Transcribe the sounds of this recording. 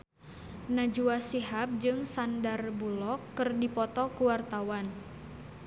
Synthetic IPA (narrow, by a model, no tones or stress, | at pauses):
nad͡ʒuasiɦap̚d͡ʒɨŋsandarbulɔkːɨrdipɔt̪ɔkuwart̪awan